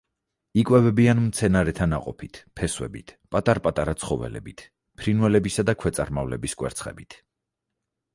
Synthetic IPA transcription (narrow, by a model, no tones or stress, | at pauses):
ikʼwɛvɛbianmt̪sʰɛnaɾɛt̪ʰanaqʼɔpʰit̪ʰpʰɛswɛ̰bit̪ʰpʼat̪ʼaɾpʼat̪ʼaɾat̪sʰχɔvɛ̰lɛ̰bit̪ʰ | pʰɾinwɛlɛbisad̪akʰwɛt̪sʼa̰ɾmavlɛbiskʼwɛ̰ɾt̪sʰχɛ̰bit̪ʰ